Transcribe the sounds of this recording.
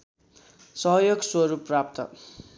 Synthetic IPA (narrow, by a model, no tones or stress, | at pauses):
sʌɦjoɡswʌɾuprap̚t̪ʌ̰